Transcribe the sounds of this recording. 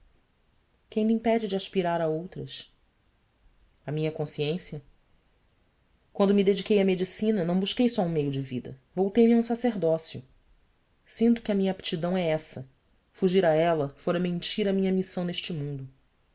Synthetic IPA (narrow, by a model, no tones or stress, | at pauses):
kẽj̃mĩpɛd͡ʒɪd͡ʒɪaʃpiɾaɾaowt̪ɾɐʃ | ɐmĩɲɐkõsiẽsjɐ | kw̃nd̪ʊmid̪ed͡ʒikejɐmed͡ʒisĩnɐnɐ̃w̃buʃkejsɔũmejʊd͡ʒɪvid̪ɐ̰vowt̪ejmɪaũsaseɦd̪ɔsjʊ̰ | sĩnt̪ʊkʲɪɐmĩɲɐapi̥t͡ʃid̪ɐ̃w̃ɛɛsɐ | fuʒiɾaɛlɐfoɾɐmẽnt͡ʃiɾɐmĩɲɐmisɐ̃w̃neʃt͡ʃɪmũnd̪ʊ